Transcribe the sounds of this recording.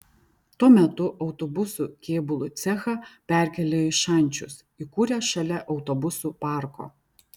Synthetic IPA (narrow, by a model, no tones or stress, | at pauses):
t̪uɔmʲɛt̪ʊʔɒʊt̪oːbʊsuːˑkʲeːbʊlˠʊˑt̪sʲɛxɐpʲæˑɾʲkʲɛlʲeːɪʃɐˑnʲt͡ʃʲʊ̰s | ikuːɾʲɛːʃɐlʲɛʔɒʊt̪obʊsupɑˑɾko̰ː